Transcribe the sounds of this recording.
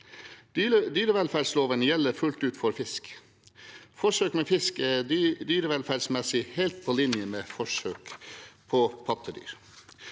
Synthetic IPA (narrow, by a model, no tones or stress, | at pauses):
d̪yːɾəʋɛlfæɖsloːʋənjɛlːəɾfʉlt̪ʉːt̪fɔɾfɪsk | fɔʂøːkmeːfɪskeːd̪yːɾəʋɛlfæɖsmɛsɪheːlt̪̚pʰoːlɪnjəmeːfɔʂøːkpʰoːpʰɑt̪ʰəd̪y̰ːɾ